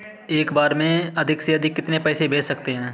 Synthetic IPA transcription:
eːkbaːɾmẽɐd̪ʱɪkseɐd̪ʱɪkːɪt̪nepɛːsebʱeːsɐkt̪eɦɛ̃ː

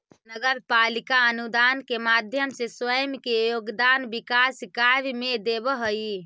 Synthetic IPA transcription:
nəɡəɾpalikaənud̪ankemad̪ʱjəmseswəjəmkejoɡd̪anbikaskabmed̪ebɦəi

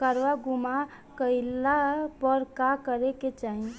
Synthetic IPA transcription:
kəɾʋaɡuma | kəɪlapəɾkakəɾeket͡ʃaɦi

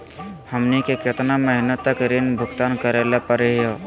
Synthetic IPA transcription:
həmnikekɪt̪naməɦɪnət̪ːəkɾenbʱʊɡt̪aːnkəɾelepəɾeɦjo

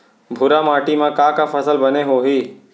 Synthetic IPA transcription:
bʱʊɾamaːʈimãkaːkapʰəsəlbəneɦoɦiː

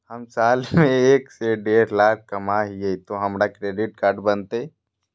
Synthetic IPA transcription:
hɐmsaːlmẽeːkseɖeːɾlaːkʰkɐmaɦiet̪oɦɐmɾakɾeːɖɪʈkaːɾɖbɐnt̪e

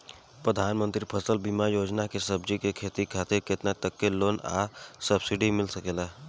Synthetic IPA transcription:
pɾəd̪ʱaːnmə̃nt̪ɾipʰəsəlbimajoːd͡ʒnakesəb̚d͡ʒikekʰeːt̪ikʰaːt̪eɾket̪nat̪əkːeloːna̰ːsəbsɪɖimɪlsəkeːla

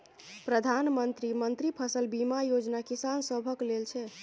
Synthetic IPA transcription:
pɾəd̪ʱanmənt̪ɾimənt̪ɾipʰəsəlbimajod͡ʒnakisansəbʱəklelt͡ʃʰɛ

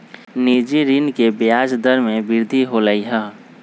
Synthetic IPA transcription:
nid͡ʒiɾinkebjad͡ʒd̪əɾmẽbɪɾd̪ʱiɦoləiɦə

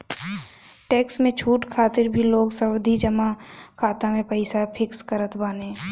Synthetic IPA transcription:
ʈɛːksmẽt͡ʃʰuːʈkʰaːt̪ɪɾbʱiloːɡsəwd̪ʱid͡ʒəmakʰaːt̪amẽpəɪsapʰɪkskəɾət̪baːnẽː

